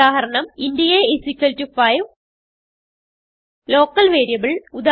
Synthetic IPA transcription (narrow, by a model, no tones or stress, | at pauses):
aːɦɐɾɐɳɐmindijeisikʲːɐltːufɐjʋ | lo̞ːkːɐlʋe̞ːɾijɐbɐɭud̪a